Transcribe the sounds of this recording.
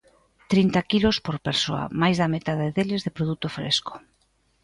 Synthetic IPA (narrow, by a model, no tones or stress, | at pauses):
t̪ɾint̪akilospoɾpeɾsoɐ̰majzðɐmet̪aðaeðelɪzðɪpɾoðut̪ofɾḛsko̥